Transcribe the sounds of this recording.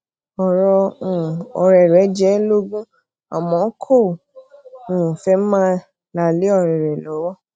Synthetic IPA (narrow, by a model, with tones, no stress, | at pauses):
ɔ˨ɾɔ̃˧˨ | ɔ̰˧ɾɛ˨ɾɛ˨˦d͡ʒɛ˨˦lo˦ɡũ˦ | a̰˨mɔ̃˨˦kʰo˦˨ | ũ˨fɛ˦mãː˦ | la˨le˦ɔ˦˧˨ɾɛ˨ɾɛ˨lɔ˨˦wɔ˦